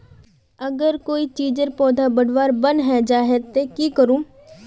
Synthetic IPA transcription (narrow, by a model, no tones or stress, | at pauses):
əɡəɾkoːiːt͡ʃiːd͡ʒəɾpɔːd̪ʱaːbəɽʋaːɾbənɦɛd͡ʒaːɦet̪ekiːkəɾũː